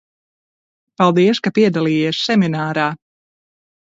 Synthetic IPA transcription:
palˠd̪iɛskapiɛd̪alˠiːjiɛsːɛminaːɾaː

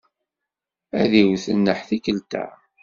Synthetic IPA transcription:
æðiwθənːəħθikəlt̪æ̰

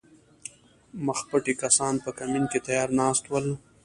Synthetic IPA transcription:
məxpəʈikasɑnpəkaminket̪ajɑːɾnɑːst̪wəl

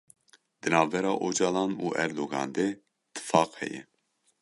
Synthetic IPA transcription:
d̪ɨnɑːvbɛɾɑːʔod͡ʒɑːlɑːnuːʔɛɾd̪oːɡɑ̰ːnd̪e | t̪ʰɨ̥fɑːqhɛ̰jɛ̰

